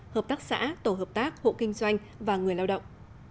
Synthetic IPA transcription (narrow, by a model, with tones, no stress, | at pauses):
həː˨˩p̚t̪aː˦˥k̚sa̰ː˧˥t̪o˧˩ɦəː˨˩p̚t̪aː˦˥k̚ho̰˧˨kï˧ŋ̟zwa˧jŋ̟ | vaː˨˩ŋɨ˨˩əjlaː˧wɗə̰˧˨wŋ͡mʔ